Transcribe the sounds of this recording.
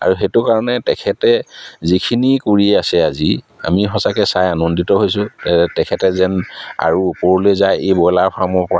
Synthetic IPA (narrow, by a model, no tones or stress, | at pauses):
a̰ɹuɦetukaɹɔnɛtɛkʰɛtɛzikʰinikuɹiɛasɛazi | a̰mixɔsakɛsajanɔnditɔɦojsʊ̃tɛɛtɛkʰɛtɛzɛna̰ɹupɔɹulezajebɔjlaɹpʰamɔɹpɔɹa